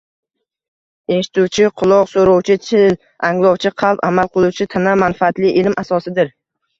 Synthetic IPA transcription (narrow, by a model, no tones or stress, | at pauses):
e̞ʃɪ̥t̪uwt͡ʃʰɪqʰʊlˠɒqsoɾɒwt͡ʃʰɪt͡ʃʰɪl | aŋlˠɒwt͡ʃʰɪqʰɑlˠpamalˠqɨlˠuwt͡ʃʰɪt̪ʰanamanfaat̪lɪʔɪlmʔasɒsɪd̪ɪɾ